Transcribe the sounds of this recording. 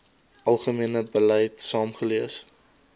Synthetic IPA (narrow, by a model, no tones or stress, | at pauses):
ʔɐlˠχəmiənəbəlɛjtsɑːmχəliəs